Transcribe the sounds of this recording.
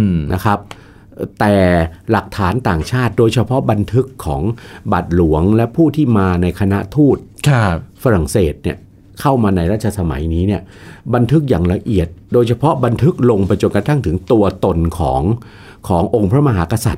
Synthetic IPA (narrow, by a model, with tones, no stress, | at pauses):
nʔa˦˥kʰa˦˥p̚ː | t̪ɛː˨˩la˨˩k̚t̪ʰaː˩˦nt̪aː˨˩ŋt͡ɕʰaː˥˩t̪̚doː˧jt͡ɕʰa˧pʰɔ˦˥ba˧nt̪ʰɯ˦˥kʰːɔ̰ː˩˦ŋba˨˩t̪̚lu˩˦əŋlɛ˦˥pʰuː˥˩t̪ʰiː˥˩maː˧na˧jkʰa˧na˦˥ʔt̪ʰuː˥˩t̪̚ʰ | fa˧ɾa˨˩ŋseː˨˩t̪̚ni˥˩ə | kʰa˥˩wmaː˧na˧jɾaː˥˩t̪̚t͡ɕʰa˧sa˧ma̰˩˦jniː˦˥ni˥˩əba˧nt̪ʰɯ˦˥k̚jaː˨˩ŋla˧ʔi˨˩ət̪̚doː˧jt͡ɕʰa˧pʰɔ˦˥ba˧nt̪ʰɯ˦˥k̚lo˧ŋpa˧jt͡ɕo˧nka˧t̪ʰa˥˩ŋt̪ʰɯ˩˦ŋt̪u˧ɐt̪o˧nkʰɔ̰ː˩˦ŋ | kʰɔː˩˦ŋʔo˧ŋpʰɾa˦˥ma˧ɦaː˩˦ka˧sa˨˩t̪̚